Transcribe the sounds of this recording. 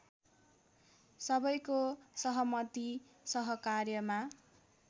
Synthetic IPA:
sʌbʌjkosʌɦʌmʌt̪i | sʌɦʌkarjʌma

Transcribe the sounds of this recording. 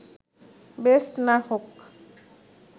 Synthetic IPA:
besʈnahok

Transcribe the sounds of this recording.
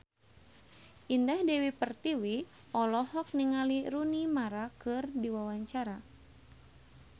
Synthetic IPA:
ʔindahdɛwipərt̪iwi | ɔlɔhɔk̚niŋaliɾunimaɾakɨrdiwawaɲt͡ʃaɾa

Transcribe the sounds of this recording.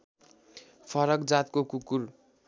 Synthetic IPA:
pʰʌɾʌkd͡zat̪̚kokukur

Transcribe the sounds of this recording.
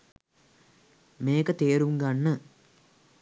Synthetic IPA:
meːkət̪eːɾuŋɡanːə

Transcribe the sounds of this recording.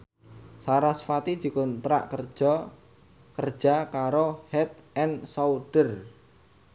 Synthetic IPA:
saɾasfat̪i̥d͡ʒ̥i̤kʊnt̪ɾa̰ʔkərd͡ʒ̥ɔ | kərd̥ʒ̥a̤kaɾohɛt̪̚ɛnsauɖ̥ər

